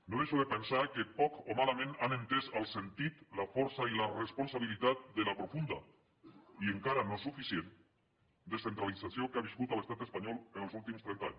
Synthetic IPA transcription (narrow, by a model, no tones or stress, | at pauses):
noðeʃoðepensakepɔkomalamẽnanent̪ezalˠsent̪it̪lafɔɾsailaresponsaβilit̪at̪̚d̪elapɾofund̪a | ieŋkaɾanosufisjen | d̪esθent̪ɾalit͡sasiokaβ̞iskut̪əlest̪at̪espaɲɔlenəlˠzulˠt̪imst̪ɾɛnt̪a̰ɲ